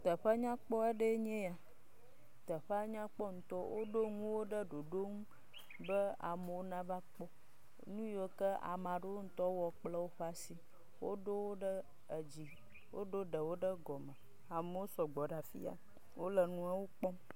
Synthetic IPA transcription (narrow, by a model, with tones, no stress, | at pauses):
t̪ə˨ɸa˦ɲã˦k͡pɔ˦e˦ɖə˦ɲɛ̃˦ja˨ | t̪ə˨ɸa˦ɲã˦k͡pɔ˦ŋũ˨t̪ɔ˦wʔo˦ɖo˦ŋũ˦wo˦ɖə˦ɖo˨ɖo˦ŋu˦ | bə˦a˨mə˨wo˦nã˦va˦k͡pɔ˦ | nũ˦jo˨kə˦a̰˨mã˨ɖo˦wo˦ŋ̩˦t̪ɔ˦wɔ˨k͡plə˦wo˦ɸa˦si˨ | wo˦ɖo˦wo˦ɖə˦ | ə˨d͡ʑi˨ | wo̰˦ɖo˦ɖə˨wo˦ɖə˦ɡɔ˨mə̃˨ | a˨mə˨wo˦sɔ˨ɡ͡bɔ˨ɖa˨fḭ˦a̰˨ | wo˦lə˨nũ˦a˦wo˦k͡pɔ˦m